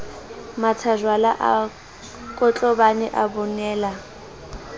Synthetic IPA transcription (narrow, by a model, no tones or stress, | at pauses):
matʰaʒwalaʔa | kʼɔt͡ɬʼɔbanɛʔabɔnɛːla